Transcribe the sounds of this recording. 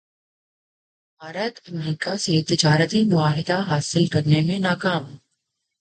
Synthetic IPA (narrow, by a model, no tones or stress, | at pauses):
bʱaːɾət̪ɐmɾiːkaset̪ɪd͡ʒaːɾət̪imʊaːɦɪd̪aɦaːsɪlkɐɾnemẽnaːkaːm